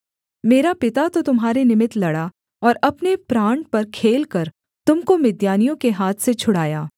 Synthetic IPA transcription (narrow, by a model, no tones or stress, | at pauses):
meːɾapɪt̪at̪ot̪ʊmɦaːɾenɪmɪt̪lɐɽa | ɔːɾɐpnepɾãːɳʈ̚pɐɾkʰeːlkɐɾ | t̪ʊmkomɪd̪jaːnijõkeɦaːt̪ʰset͡ʃʰʊɽaːjaː